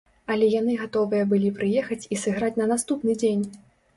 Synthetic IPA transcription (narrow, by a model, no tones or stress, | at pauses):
ɐlʲɛjan̪ɨɣat̪ɔvɨjɐbɨlʲipɾɨjɛxɐt͡sʲisɨɣɾat͡sʲnɐnast̪upnɨd͡zʲenʲ